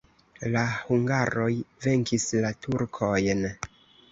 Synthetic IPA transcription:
lahuŋɡaɾo̞jve̞ŋkislatʰuɾkʰo̞jn

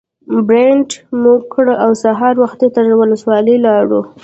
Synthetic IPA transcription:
bɾeɳʈmuɡkʰːɽəawsaɦɑɾwaxt̪det̪aɾwʊləswɑləlɑɽu

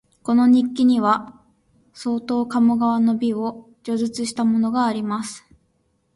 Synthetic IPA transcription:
ko̞no̞ɲ̟ikʲːiɲ̟iβa | so̞ːt̪o̞ːkamɯ̟ɡaβano̞bʲio̞ | d͡ʑo̞zɨt͡sɨɕi̥t̪amo̞no̞ɡaːɾʲimasɨ̥

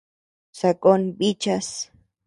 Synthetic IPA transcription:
sakʼonbit͡ʃas

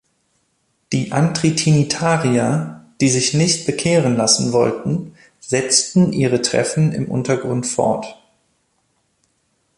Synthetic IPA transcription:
d̥iːʔantʁ̥itʰinitʰaːʁiɐd̥iːzɪçnɪçt̚b̥əkʰeːʁənlasn̩vɔ̰ltn̩ | z̥ɛt͡stn̩ʔiːʁətʁ̥ɛ̰fn̩ɪ̰mʔʊ̰ntɐɡʁʊntfɔ̰ɐt

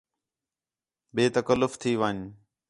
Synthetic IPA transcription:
beːt̪əkəlːʊft̪ʰiːʋəːɲ

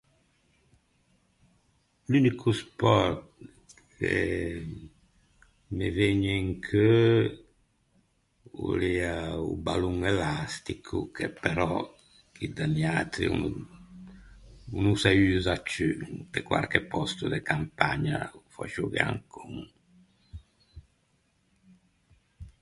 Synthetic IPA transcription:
lynikʰuspɔɾt̪ | kʰe | meveɲeŋkʰø | ṵliaṵbaluŋelast̪ikʰukɛpeɾɔ | kʰid̪aniat̪ɾḭṵnu | unusayzat͡ʃːypekwa̰ɾkɛpːɔst̪ud̪ekampa̰ɲa̰fa̰ʃuɣea̰ŋkʰuŋ

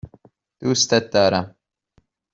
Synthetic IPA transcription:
d̪̥uːst̪ɐt̪̚d̪aːɾa

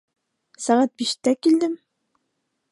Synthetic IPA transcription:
sæʁat̪̚biʃt̪ækild̪ɘm

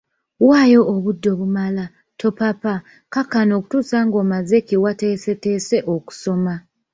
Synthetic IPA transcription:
waːjo̞ʔːβudːo̞βumala | tʰo̞papa | kakano̞ku̥tuːsaŋɡo̞ːmazekiwate̞ːse̞te̞ːse̞ʔoku̥so̞ma

